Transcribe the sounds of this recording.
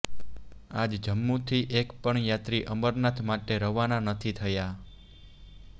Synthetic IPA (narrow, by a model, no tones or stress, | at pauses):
ad͡ʒd͡ʒəmːut̪ʰiʔekpəɳjat̪ɾiʔəməɾnat̪ʰmaʈeɾəɦʋananət̪ʰit̪ʰəja